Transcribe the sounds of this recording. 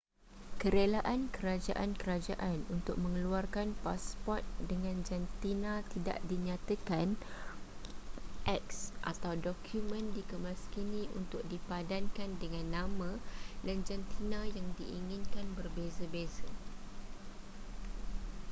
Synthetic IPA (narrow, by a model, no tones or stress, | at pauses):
kəɾelaʔankəɾad͡ʒa̰ʔankəɾad͡ʒaʔanunt̪ʊk̚mə̃ŋəluarkanpaspɔrt̪̚dəŋãnd͡ʒant̪inãt̪ida̰ʔdiɲat̪akan | ʔɛksʔa̰t̪awdɔkʰjumə̃ndikəmãskinĩunt̪ʊk̚dipadankandəŋãnːãmãland͡ʒant̪ʰinãjaŋdiʔiŋĩnkanbərbezəbezə